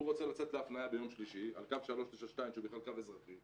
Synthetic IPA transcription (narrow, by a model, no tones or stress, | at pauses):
uʁo̞t͡selat͡set̪leafnajabejo̞mʃliʃia̰lkavʃalo̞ʃt̪iʃaʃt̪aimʃeubiχlalkavezʁaχim